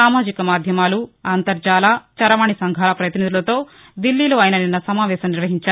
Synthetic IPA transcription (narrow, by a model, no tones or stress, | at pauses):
aːmaːd͡ʒikɐmaːd̪ʱjɐmaːluaːnt̪ɐɾd͡ʒaːlat͡ʃɐɾɐʋaːɳisɐŋɡʱaːlɐpɾɐjt̪inid̪ulɐt̪o̞ː | d̪ilːiːloːɐjnɐninːɐsɐmaːʋɛːʃɐmniɾʋɐɦiɲt͡ʃaː